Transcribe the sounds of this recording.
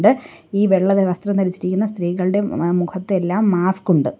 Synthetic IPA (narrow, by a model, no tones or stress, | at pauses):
ɖɨiːʋe̞ɭːɐðeʋɐst̪rɐmt̪ɐɾit͡ɕːiɾikʲːunːɐst̪riːɣɐɭɨɽe̞mukʰɐt̪ːeelːaːmːaːskuɳɖɨ